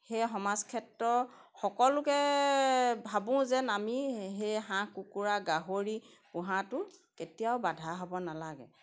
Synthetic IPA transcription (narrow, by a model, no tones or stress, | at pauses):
hejɦɔmazkʰɛtɹɔ | xɔkɔlʊkɛ | bʱabʊ̃zɛnamiɦejɦãkukuɹaɡaɦoɹi | pʊɦatʊketijaʊbadʱaɦobɔnalaɡɛ̰